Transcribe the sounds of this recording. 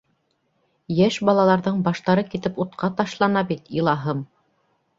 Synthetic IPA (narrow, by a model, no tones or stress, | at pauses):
jæʃbɑlˠɑlˠɑɾðɤɴbɑʃt̪ɑɾɤkit̪ɘput̪̚qʰɑt̪ɑʃlˠɑnɑbit̪ilˠɑɦɤm